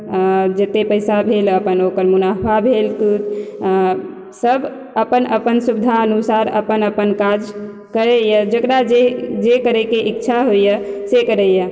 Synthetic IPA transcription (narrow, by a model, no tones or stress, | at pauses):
d͡ʒet̪epəɪsabʱeləpənokəɾmunapʰabʱelkut | səbʱ | əpənəpənsubid̪ʱaənusaɾə̰pənəpənkad͡ʒ | kəɾejəd͡ʒəkɾad͡ʒed͡ʒekəɾɛkeʔikːt͡ʃʰaɦoijəsekəɾəjə